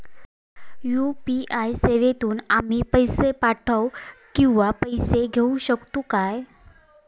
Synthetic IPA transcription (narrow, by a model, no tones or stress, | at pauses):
jupiʔajseʋet̪uːnam̤iːpəjsepaʈʰəwkĩw̃ʋapəjseɡʱeũɕəkt̪ukaj